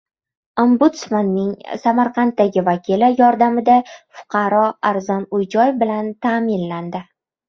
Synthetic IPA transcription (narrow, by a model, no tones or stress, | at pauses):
ombʊt̪smanːɪŋsamaɾqʰɑnt̪ːaɡʲɪvakʲʰilɪjɒɾd̪amɪd̪afʊ̥qʰɑɾɒaɾzɒnʊjd͡ʒɒjɪfbɪlant̪ʰamɪnland̪ɪ